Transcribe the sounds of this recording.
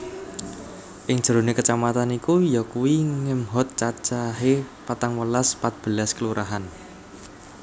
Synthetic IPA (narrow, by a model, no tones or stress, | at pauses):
ʔɪŋ̥ʒ̥ə̤ɾonekət͡ʃamat̪anikujɔkuwiŋɪmɦɔt̪̚t͡ʃat͡ʃaɦepat̪aŋwəlaspat̪̚b̥ə̤laskəluɾʔaɦan